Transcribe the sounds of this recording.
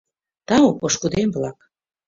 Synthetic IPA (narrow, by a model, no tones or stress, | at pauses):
t̪ɑopoʃkud̪emblɑk